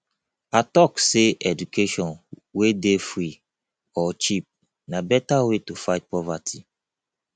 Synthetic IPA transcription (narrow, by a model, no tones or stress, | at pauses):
atɔkseʔɛdukʰeʃɔ̃n | wedefɾi | ɔt͡ʃip̚ | nabɛtawetufaɪt̚pɔvatʰi